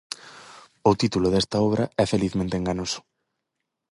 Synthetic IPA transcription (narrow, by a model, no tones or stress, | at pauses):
ʊt̪it̪ulʊðest̪ɐɔβ̞ɾɐɛfeliθmẽnt̪eŋɡaɲosʊ̥